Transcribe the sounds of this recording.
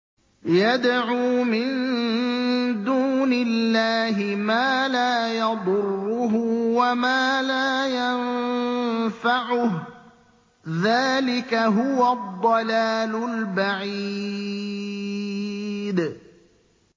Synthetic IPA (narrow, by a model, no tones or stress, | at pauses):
jad̪ʕuːmɪn | d̪uːnɪlːaːɦɪmaːlaːjɑd̪ˤʊrːʊɦʊwamaːlaːjan | faʕʊh | ðaːlɪkaɦʊwad̪ˤːɑlaːlʊlbaʕiː | d̪